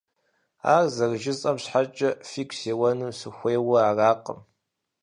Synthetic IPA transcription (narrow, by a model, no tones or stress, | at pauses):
a̰ːrzɐrʒɪzʼɐmɕħat͡ʃʼɐfiːkʷʰseːwɐnuːsɨxʷeːwɐaːraːqə̰m